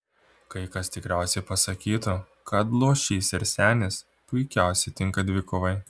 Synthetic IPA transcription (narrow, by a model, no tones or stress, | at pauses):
kɐɪkɐst̪ʲɪkɾʲæˑʊsʲɛɪpɐsɐkʲiːt̪ʊ | kɐt̪lˠuʃʲiːsɪɾsʲæːnʲɪs | pʊɪkʲɛˑʊsʲɛɪt̪ʲɪŋkɐd̪ʲʋʲɪkʊʋɐɪ